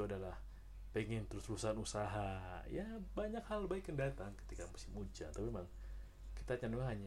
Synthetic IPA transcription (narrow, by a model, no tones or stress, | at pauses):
uadalah | pəŋɪnt̪əɾʊslusanusaɦajabaɲakhalbaɪkːəndat̪aŋkə̥t̪ikamusɪmud͡ʒat̪apiemaŋ | kit̪at͡ʃanduaɦaɲ